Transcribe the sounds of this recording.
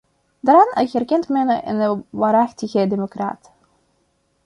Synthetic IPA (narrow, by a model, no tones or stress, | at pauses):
daɾɑnəjɣərkɛntmɛnəʔɪ̰nəʋaːɾɑxtəɣədemokra̰ːt